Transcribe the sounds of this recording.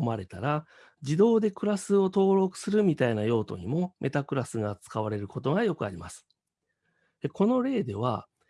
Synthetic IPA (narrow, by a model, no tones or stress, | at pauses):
omaɾe̞t̪aɾa | d͡ʑid̪o̞ːd̪e̞kɯ̟ɾasɨo̞t̪o̞ːɾo̞kɯ̟̥sɨɾɯ̟mʲit̪ainajo̞ːt̪o̞̰ɲ̟imo̞mʔe̞t̪akɯ̟ɾasɨɡat͡sɨ̥kaβaɾe̞ɾɯ̟ko̞t̪o̞ɡajo̞kɯ̟a̰ɾʲimasɨ̥ | eko̞no̞ɾe̞ːd̪e̞βa̰